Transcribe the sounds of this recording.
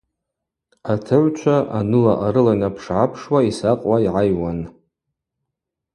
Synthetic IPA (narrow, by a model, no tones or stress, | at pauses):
atʰɨʕʷt͡ʃʷʰaʔanɨlaʔaɾɨlajnapʰʂʕapʰʂwaisaqʼwaiʕajwan